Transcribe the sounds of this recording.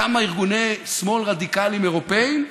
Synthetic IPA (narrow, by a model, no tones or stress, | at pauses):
amaiʁɡunesmo̞lʁad̪ikalimeʁo̞pe̞im